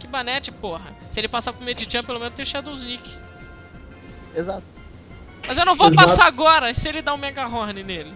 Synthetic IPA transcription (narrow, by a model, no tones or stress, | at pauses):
kɪbɐnɛt͡ʃɪpoɦɐsɪelɪpasapʊɾmed͡ʒid͡ʒɐ̃pelomẽnʊst̪ẽʃad̪ũznikɪ̥ | ezat̪ʊ | mɐzewnɐ̃w̃vowpasaaɡɔɾɐsɪelɪd̪aʊ̃mẽɡaɦoɾnɪnelɪ